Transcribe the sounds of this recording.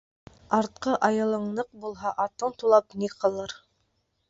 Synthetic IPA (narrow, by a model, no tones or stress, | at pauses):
ɑɾt̪̚qɤʔɑjɤ̆lˠɤ̆ɴnɤq̚bulˠɦɑʔɑt̪ɤɴt̪ulˠɑpniqʰɤ̆lˠɤɾ